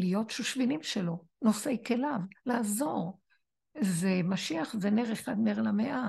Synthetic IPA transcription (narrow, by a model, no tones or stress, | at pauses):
lijo̞tʃuʃvinimʃelo̞nosejkelavlaːzo̞ʁ | zemaʃiaχzene̞ʁeχad̪neʁlameʔa